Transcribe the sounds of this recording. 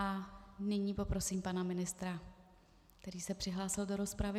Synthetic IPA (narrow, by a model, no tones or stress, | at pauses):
anɪɲiːpo̞pɾo̞siːmpanamɪnɪst̪ɾa | kt̪ɛɾiːsɛpr̥ɪɦlaːsɪldo̞ɾo̞spɾavɪ